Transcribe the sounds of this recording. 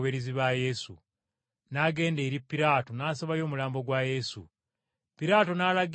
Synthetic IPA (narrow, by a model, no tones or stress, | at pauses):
βeɾiziβaje̞sṵ | naːɡe̞ːndeɾipːiɾaːtonaːsoβajo̞ːmulaːmbo̞ɡwaːje̞sṵ | piɾaːtonaːlaɡ